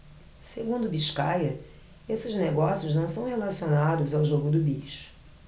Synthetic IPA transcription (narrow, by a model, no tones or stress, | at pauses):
seɡũnd̪ʊbiʃkajɐ | esɪzneɡɔsiʊznɐ̃w̃sɐ̃w̃helasionad̪ʊzawʒoɡʊd̪ʊbejʃʊ̥